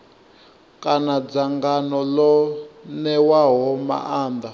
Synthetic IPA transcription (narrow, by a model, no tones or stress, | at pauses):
kʼanad͡zaŋɡanɔlɔnɛwaɦɔma̰ʔaːnd̪a